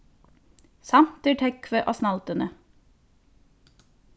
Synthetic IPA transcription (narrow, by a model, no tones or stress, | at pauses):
sɑmt̪̚əʈʰɛkʰʋəʔoːsnɑlt̪ənə